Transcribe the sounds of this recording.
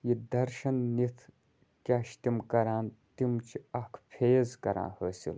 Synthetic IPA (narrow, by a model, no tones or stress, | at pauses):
jid̪ɐɾʃɐnnit̪ʰ | kʲaːʃt̪imkɐɾaːnt̪imt͡ʃʰiɐkʰpʰeːzkɐɾã̰ːhəːsḭl